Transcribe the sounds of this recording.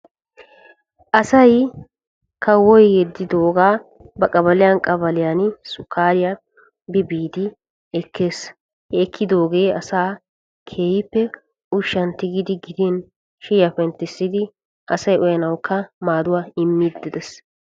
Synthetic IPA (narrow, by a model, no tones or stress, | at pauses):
ʔɐsɐj | kʰɐwɔjjɛd̪ːɪd̪oːɡaː | bɐkʼɐbɐlɪjɐnkʼɐbɐlɪjansʊkʰːaːɾɪja | bɪbiːd̪ɪ | ɛkʰːeːs | hɛːkʰːɪd̪o̞ːɡe̞ːɐsaː | kʰeːjɪpːɛ | ʊʃːɐnt̪ɪɡɪd̪ɪɡɪd̪ɪn | ʃɪjɐfɛnt̪ɪsːɪd̪ɪ | ʔɐsɐjɔjɐnɐwkʰːɐmaːd̪ʊwaːɪmːid̪ːɪd̪ɛs